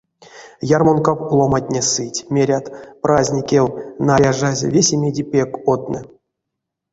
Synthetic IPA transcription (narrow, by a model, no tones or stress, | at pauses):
jarmonkawlˠomatʲnʲesɨtʲmʲeɾʲat̪prazʲnʲikʲewnajaʐaz̰ʲvʲesʲemʲedʲipʲekot̪̚nɨ